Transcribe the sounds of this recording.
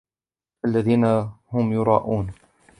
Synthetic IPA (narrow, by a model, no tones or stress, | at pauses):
ʔalːaðiːnahʊmjʊɾˤɑ̰ːʔuːn